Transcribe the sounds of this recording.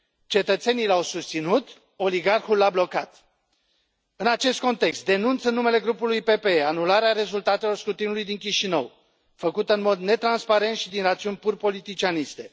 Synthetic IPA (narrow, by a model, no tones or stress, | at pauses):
t͡ʃe̞t̪ət̪se̞nijlawsust̪sinut̪ | o̞liɡarxulːablo̞kat̪ | ɨnat͡ʃe̞st̪̚ko̞nt̪e̞kst̪̚d̪e̞nunt̪sənːume̞le̞ɡɾupulujpe̞peeanulaɾeaɾe̞zult̪at̪e̞lo̞rskɾut̪inulujd̪iŋkʲiʃinəw | fəkut̪əɨnmo̞d̪ne̞t̪ɾanspaɾe̞nt̪ʃid̪inrat̪siunʲpurpo̞lit̪it͡ʃianist̪e̞